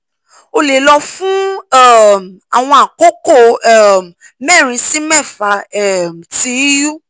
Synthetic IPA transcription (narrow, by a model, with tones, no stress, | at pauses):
o˧le˨lɔ˧fũ˦ɛ˦˨m˨a˨w̃ɔ̃˧a˨ko˦ko˦˨ɛ˦˨ | mɛ˦˨ɾ̃ĩ˧si˦mɛ˦˨fa˨˦ɛ˦˨m̩˨ti˨˦ju˦